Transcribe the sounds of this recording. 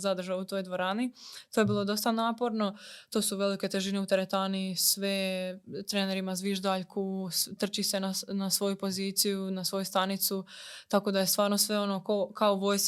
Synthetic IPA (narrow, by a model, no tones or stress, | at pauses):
zad̪ɾrʒaut̪o̞jd̪ʋoɾaːnit̪ojebiːlˠo̞d̪o̞st̪anaːpo̞ɾno̞t̪o̞ːsuʋe̞like̞t̪e̞ʒineut̪eɾet̪aːnisʋet̪ɾene̞ɾimazʋiːʒd̪aʎkʰust̪r̩t͡ʃise̞nanasʋo̞jupo̞ziːt̪sijunasʋo̞just̪anit̪sut̪ako̞d̪aje̞st̪ʋaːɾnosʋe̞o̞no̞kokaoʋo̞ːjs